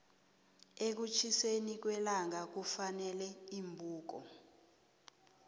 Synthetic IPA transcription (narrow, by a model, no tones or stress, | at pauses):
ek̬ut͡ʃʰisenik̬wɛlaŋak̬ufanɛlɛimbʱuːk̬ɔ̰